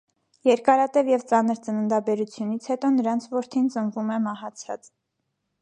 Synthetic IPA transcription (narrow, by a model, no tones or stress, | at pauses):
jɛɾkɑɾɑt̪ɛvjɛvt͡sɑnəɾt͡sənənd̪ɑbɛɾut͡sʰjunit͡sʰhɛt̪ɔnəɾɑnt͡sʰvɔɾt̪ʰint͡sənvumɛmɑhɑt͡sʰɑ̰t͡s